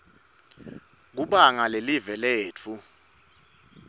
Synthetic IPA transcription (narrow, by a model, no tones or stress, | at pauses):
k̬uɓaŋalelivɛlɛːt͡fʰu